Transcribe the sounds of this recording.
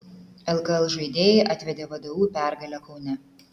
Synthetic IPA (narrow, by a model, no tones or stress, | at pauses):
ɛlˠkɐɛlˠʒɐɪd̪ʲeːjɛɪʔɑt̪ʲʋʲɛd̪ʲeːʋɐd̪ɐʋuːpʲæˑɾɡɐlʲɛkɒʊnʲɛ